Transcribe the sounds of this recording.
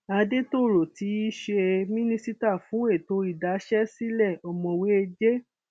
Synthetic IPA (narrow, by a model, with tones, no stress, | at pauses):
a˧de˦to˦˨ɾo˨ti˨˦i˦ʃe˧mĩ˦nĩ˦si˦ta˦˨fũ˨˦e˦˨to˨˧˦i˦˨da˨˦ʃɛ˦si˦lɛ˦˨ɔ˨mɔ̃˧we˦e˧d͡ʒe˦